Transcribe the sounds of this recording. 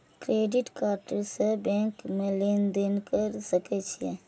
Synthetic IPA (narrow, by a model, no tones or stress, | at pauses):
kɾeːɖɪʈkaːɾʈəɾsebɛ̃ːŋkmẽlend̪enkəɾsəkɛt͡ʃʰiḛ